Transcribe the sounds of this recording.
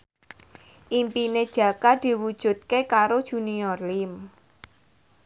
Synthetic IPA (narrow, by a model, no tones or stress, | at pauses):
ʔimpined̥ʒ̥ä̤kad̪̥i̤wud̥ʒ̥ṳt̪̚kekaɾod̥ʒ̥ṳniɔrlim